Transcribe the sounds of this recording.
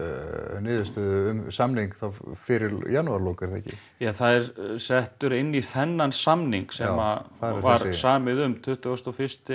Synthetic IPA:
nɪːðʏst̪œðʏʏmsamniŋkθawfɪɾɪɾjanʏaɾloːkɪɾ̥θɛhcːɪ̰ | jaθaðɛɾsɛht̪ʏɾɪnːiθɛnːansamniŋksɛmavaɾsaːmɪðʏmt̪ʰʏht̪ʏɣɔst̪ɔwfɪ̥st̪ɪ

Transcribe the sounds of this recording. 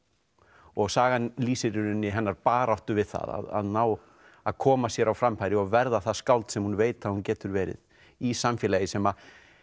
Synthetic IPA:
ɔɣsaːɣanliːsɪɾʏɾʏnːɪɦɛnːaɾpaːɾawht̪ʏvɪðθa̰ða̰ða̰ðnaːw | aðkʰɔːmasjɛɾawfɾamfajɾɪɔɣvɛɾðaθaskawlt̪sɛmhunveːjt̪aðhuncɛːt̪ʏɾvɛːɾɪ̰ð | isamfjɛlajɪsɛma

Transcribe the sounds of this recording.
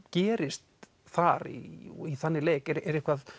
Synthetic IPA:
cɛːɾɪst̪ | θaɾḭiθanːɪleːjkɛɾɛɾɛhkvað

